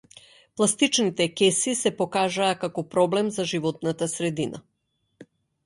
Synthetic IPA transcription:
plˠast̪it͡ʃnit̪ɛkɛsisɛpɔkaʒaːkakɔpɾɔblɛmzaʒivɔt̪̚nat̪asɾɛd̪inʔa̰

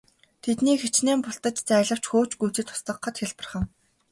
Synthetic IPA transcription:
t̪ʰet̪niːxet͡ɕneːmpʊɬt̪ə̆t͡ɕt͡sæːɮə̆w̥t͡ɕxoːt͡ɕɡujt͡ɕɘ̆t̪ʰʊ̥st̪ə̆qːə̆t̪xeɮpə̆rχə̆ŋ

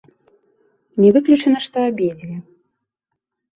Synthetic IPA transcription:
nʲɛvɨklʲut͡ʂɛnɐʂt̪ɔabʲed͡zʲilʲi

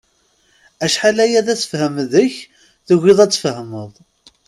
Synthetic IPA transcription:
æʃħalæjæðæθə̥fhəmðəç | ðəʝʷiðˤæt͡sːfəhməðˤ

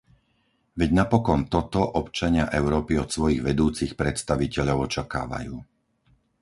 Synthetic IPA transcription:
ʋɛɟnapɔkɔnt̪ɔt̪ɔʔɔpt͡ʃaɲɪaʔɛʊɾɔːpiɔt̪sʋɔjiɣʋɛd̪uːt͡sixpɾɛt̪st̪aʋicɛʎɔʊɔt͡ʃaka̰ːʋa̰juː

